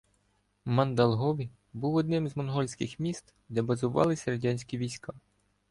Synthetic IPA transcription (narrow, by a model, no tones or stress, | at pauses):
mɐnd̪ɐlˠɦɔʋʲi | buwɔd̪̚nɪmzmɔnɦɔlʲsʲkɪxmʲist̪ | d̪ɛbɐzʊʋɑ̰lˠɪsʲɐɾɐdʲanʲsʲkʲiʋʲijsʲkɑ